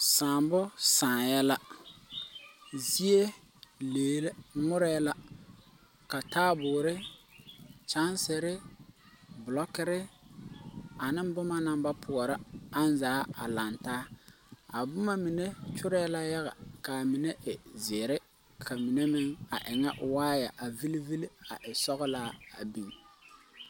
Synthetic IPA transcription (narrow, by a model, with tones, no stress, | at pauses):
saː˨mbʊ˦sãː˨jɛ˦la˦ | zi˦e˦ | leː˨˦ŋʊ˦ɾɛ˦la˦ | ka˨taː˦bʊː˨ɾɪ˦ | t͡ʃa˦nsɪ˨ɾɪ˦ | bʊ˨lɔ˦kɪ˦ɾɪ˦ | a˨nɪ˦m˦bʊ˦ma˦na˦˨mba˦pʰʊ˨ɔ˨ɾɪ˦a˦n˦zaː˨˦a̰˨la˨ntaː˦ | a˨bʊ˦ma˦mi˨ne˦t͡ʃʊ˦ɾɛː˦la˦ja˦ɣa̰˨ka˨mɪ˨ne˦ʔɪ˨zɪ˨ɾɪ˦ | kʰa˨mi˨ne˦mɪ˦ŋa˨ʔɪ˨ŋɛ˦ʔʊ˨waː˦ja̰˨ʔa˨vi˦li˦vi˦li˦a̰˨ʔɪ˨sɔ˦ɣɪ˦laː˦a˨bi˦ŋ